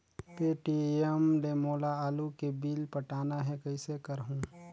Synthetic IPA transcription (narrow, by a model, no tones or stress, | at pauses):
peʈiemɖeːmoːlaaːlukebiːlpəʈaːnaɦɛkəɪsekəɾɦũ